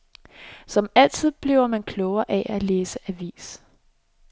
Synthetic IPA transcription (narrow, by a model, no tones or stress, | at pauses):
sɒ̽mæl̰t͡sʰið̞̰ˠb̥liʊɐmænkʰlɔʊɐʔæʔæleːsəʔæʋḭːs